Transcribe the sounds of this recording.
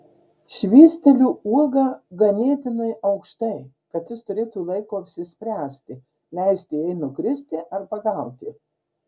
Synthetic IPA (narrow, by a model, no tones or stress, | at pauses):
ʃʲʋʲiːsʲt̪ʲɛlʲuːuɔɡɐːɡɐnʲiɛt̪ʲɪnɐɪʔɐʊkʃt̪ɐɪ | kɐt̪jʲɪst̪ʊɾʲeːt̪uːlˠɐɪkoːɐpʲsʲɪsʲpʲɾʲæːsʲt̪ʲɪ | lʲɛɪsʲt̪ʲɪɛɪnʊkɾʲɪsʲt̪ʲɪʔɐɾpɐɡɐˑʊt̪ʲɪ